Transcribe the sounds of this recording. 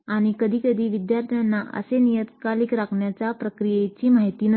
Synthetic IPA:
aɽ̃ikəd̪ʱiːkəd̪ʱiːʋid̪jaɾt̪ʰijanːaʔə̰senijət̪kaliːkɾakʰɳjat͡sapɾəkɾijet͡ɕiːmaɦit̪iːnə

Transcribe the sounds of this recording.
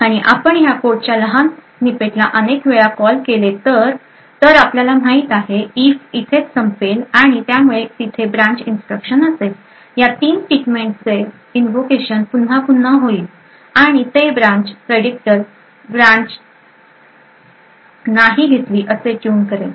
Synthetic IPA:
aɽ̃iʔapəɳjakoɾʈ̚t͡ɕjaləɦan | nipeʈlaʔənekʋeɭakɔlkelet̪əɾ | t̪əɾapljalam̤aɦit̪aɦeiːfit̪ʰet͡ssəmpelaɽ̃it̪jamuɭet̪it̪ʰebɾãɲt͡ɕinsʈɾəkɕənəsel | jat̪iːnʈiʈmẽɳʈt͡se | inʋokeɕənpun̤ɦapun̤ːaɦoiːl | aɽ̃it̪ebɾãɲt͡ɕpɾeɽik̚ʈəɾ | bɾãɲt͡ɕ | naɦiɡʱet̪liːʔəseʈjuːnkəɾe

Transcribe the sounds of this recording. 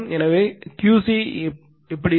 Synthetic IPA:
mɛnɐʋeːkjuːsi | ɪpːɐɽɪ

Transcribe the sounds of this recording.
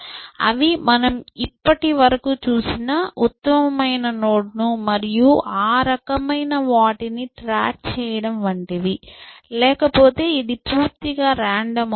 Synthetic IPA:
ɐ̰ʋimɐnɐmipːɐʈiʋɐɾɐkut͡ʃuːsinɐut̪ːɐmɐmɐjnɐno̞ːɽnumɐɾijuʔaːɾɐkɐmɐjnɐʋaːʈiniʈɾaːk̚t͡ʃɛːjɐɽɐmʋɐɳʈiʋilɛːkɐpo̞ːt̪e̞ːid̪ipuːɾt̪iɡaːɾaːɳɖɐm

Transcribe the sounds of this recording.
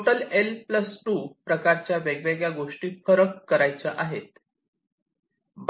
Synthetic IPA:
ʈəlelpləsʈuːpɾəkaɾt͡ɕjaʋeɡʋeɡjaɡoʂʈiːfəɾəkːəɾajt͡səʔaɦet̪ | b

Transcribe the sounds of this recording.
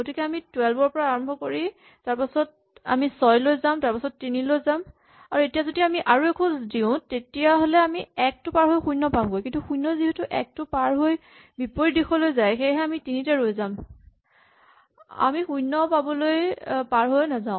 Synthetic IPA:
ɡotikɛamitwɛlbɔɹpɔɹaːɹɔmbʱɔkoɹi | taɹpasɔt̚ | a̰misɔjlojzãtaɹpasɔtːinilojzam | aɹuetijazodiamiʔaɹuɛkʰɔ̃diʊ̃tetijaɦolɛamiɛk̚tʊpaɹɦojxujnɔpamɡojkĩntuxujnɔziɦɛtʊʔɛ̰k̚tʊpaɹɦoj | bipoɹidikʰɔlojzajxejɦɛamitinitɛɹojzam | a̰mixujnɔpabɔlojpaɹɦojnazaʊ̃

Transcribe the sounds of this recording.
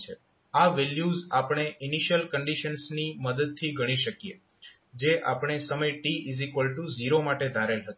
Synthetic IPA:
t͡ʃʰe | aʋeljuzapɽ̃eʔɪniʃjəlkəɳɖiʃənsniməd̪əd̪̚t̪ʰiɡəɽ̃iʃəkje | d͡ʒeʔa̰pɽ̃esəməjʈiizikʋəlʈuziɾomaʈed̪ʱaɾelɦət̪ũ

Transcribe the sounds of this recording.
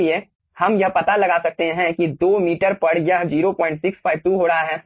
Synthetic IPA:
ie | hɐmjɐɦpɐt̪alɐɡaːsɐk̚t̪eɦɛ̃kid̪oːmiːʈəɾpɐɽjɐɦd͡ʒiːɾopɔ̃ːɪ̃ɳʈsɪkspʰaːɪʋʈuɦoːɾaɦaɦɛː

